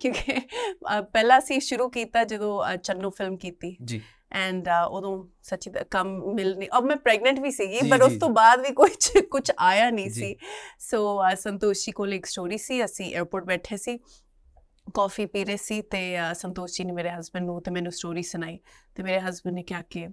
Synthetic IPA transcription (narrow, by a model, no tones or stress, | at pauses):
kjõːkeeəpɛːlãːəsĩːʃʊɾuːkiːt̪aːd͡ʒəd̪õːət͡ʃənːõːfʰɪlmkiːt̪iːd͡ʒi | ɛ̃ːɳɖəod̪õː | sətːʃiːa̰kəmːɪlnĩːʔəːmɛ̃ːpɾɛːɡnə̃ɳʈʋiːsiːɡiːpəɾʊst̪õːbaːd̪ʋiːkoːit͡ʃkʊt͡ʃʰaːjaːnə̃ːsiːsoːəsənt̪oːʃiːkoːleːksʈoːɾiːsiːəsĩːʔḛːɾpoːʈ̚bɛːʈʰjeːsiː | kɔːfiːpiːɾeːsiːt̪eːsənt̪oːʃiːnemeːɾeːɦəzbənɖnũːt̪eːmɛ̃ːnũːsʈoːɾiːsʊnaːiːt̪eːmeːɾeːɦəzbənneːkɪjaːkɪ